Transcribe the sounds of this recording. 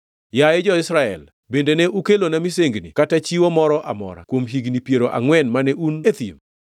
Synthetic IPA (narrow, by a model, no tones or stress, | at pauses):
jaed͡ʒɔɪsɾaɛ̰l | bendenɛʔukelonamiseŋɡnḭkatat͡ʃiwɔmɔɾɔʔa̰mɔ̰ɾa̰kwomɦiɡnipjeɾoʔa̰ŋwɛnmanɛʔunet̪ḭm